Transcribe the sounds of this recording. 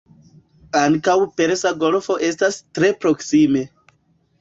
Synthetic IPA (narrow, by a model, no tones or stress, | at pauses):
aŋkawpe̞ɾsaɡo̞lfo̞ʔe̞stastɾe̞pɾo̞ksime̞